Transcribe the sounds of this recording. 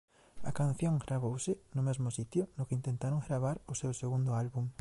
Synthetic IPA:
akan̟θjõŋɡɾaβowsɪnʊmezmʊsit̪jʊnʊkɪint̪ẽnt̪aɾoŋɡɾaβ̞aɾʊsewseɣund̪ʊalβuŋ

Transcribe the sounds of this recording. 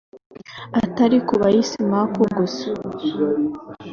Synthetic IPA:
ataɾikuβajisimakoɡus

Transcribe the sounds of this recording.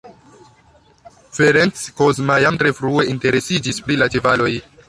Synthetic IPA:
feɾent͡skozmajamtɾe̞fɾue̞ʔinte̞ɾe̞sid͡ʒispɾilat͡ʃevalo̞j

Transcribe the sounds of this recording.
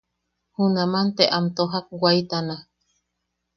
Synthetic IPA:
hunamant̪eʔamt̪oɦak̚wajt̪ana

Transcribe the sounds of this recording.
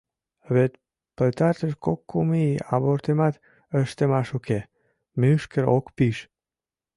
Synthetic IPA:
βet̪ | pəlt̪aɾt̪əʃkokːumia̰βoɾt̪emat̪ | əʃt̪əmaʃukʰe | myʃkəɾo̰kpiʃ

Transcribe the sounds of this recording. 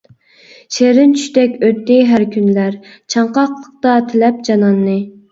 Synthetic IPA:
ʃeɾɪnt͡ʃʰy̥ʃt̪ɛkʲøt̪ːɪɦæɾkʲynlæɾ | t͡ʃʰɑɴqɑqlˠəq̚t̪ɑt̪ʰelɛp̚d͡ʒɑnɑnːɨ

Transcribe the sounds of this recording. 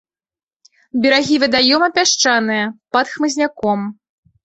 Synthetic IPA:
bʲɛɾaɣʲivʲɨd̪ajɔmɐpʲaʂt͡ʂanɨjɐpɐt̪xmɨzʲnʲakɔm

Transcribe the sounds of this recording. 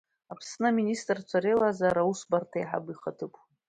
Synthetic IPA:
apʰsnɨministʼrt͡ʃʷʰaɾelazaɾausbartʰajħa̰biχatʰɨkʷʰʼ

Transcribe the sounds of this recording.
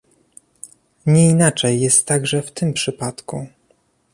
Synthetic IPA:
ɲɛinat͡ʂɛjːɛst̪ːaɡʐɛft̪ɘmpʂɘpat̪ku

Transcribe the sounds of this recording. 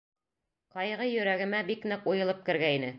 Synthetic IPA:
qɑjʁɤjɵ̆ɾæɡɘ̆mæbiknɘqujɤ̆lˠɤp̚kɘ̆ɾɡæinɘ

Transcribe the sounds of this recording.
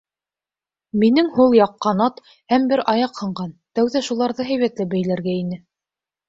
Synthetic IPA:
minɘŋhulˠjɑqːɑnɑt̪ | hæmbɘɾɑjɑqhɤ̆ɴɢɑnt̪æwðæʃulˠɑɾðɤɦæjβæt̪lɘbæjlæɾɡæinɘ

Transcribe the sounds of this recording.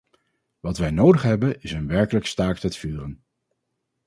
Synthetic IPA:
ʋɑtʋɛjnowdəχɦɛbənɪsənʋɛɹkələkstaːktətfyːrən

